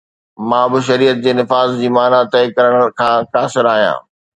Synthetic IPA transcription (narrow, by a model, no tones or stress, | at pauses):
mãːbɪʃ̬ɐɾiːət̪̚d͡ʑeːnɪfaːzd͡ʑiːmaːnat̪ɐjkɐɾəɽ̃kʰãːkaːsɪɾaːɦijã̰ː